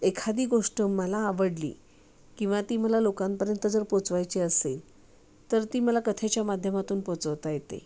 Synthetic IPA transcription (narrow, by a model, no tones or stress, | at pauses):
ekʰad̪iːɡoʂʈəmːəlaːʋəɽlḭː | kĩw̃ʋat̪iːməlalokãmpəɾjənt̪əd͡zəɾpot͡sʋajt͡ɕiəsel | t̪əɾt̪iːməlakət̪ʰet͡ɕjamad̪ʱjəmat̪uːnpot͡səʋt̪ajet̪ḛ